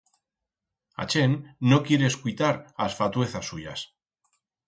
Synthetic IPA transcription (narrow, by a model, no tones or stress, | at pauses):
a̰t͡ʃe̞nːo̞kje̞ɾeːskujt̪aɾasfat̪we̞θasːuʎa̰s